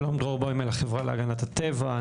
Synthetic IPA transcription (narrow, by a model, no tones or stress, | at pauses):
lomd̪ʁoʁboimelaχevʁalea̰ɡanat̪at̪eva